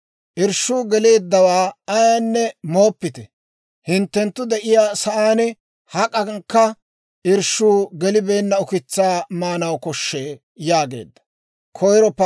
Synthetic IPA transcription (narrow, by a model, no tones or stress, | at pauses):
ʔɪɾʃːuːɡɛle̞ːd̪ːɐwaːɐjaːnːɛmo̞ːpːɪt̪ɛ | hɪnt̪ːɛnt̪ːʊd̪ɛʔɪjaːsɐʔaːnɛ | hɐkʼɐŋkːɐ | ʔɪɾʃuːɡɛlɪbe̞ːnːɐʊkɪt͡sːaːmaːnɐwkɔʃːeː | jaːɡe̞̰ːd̪ːɐ̥ | kʰɔjɾɔp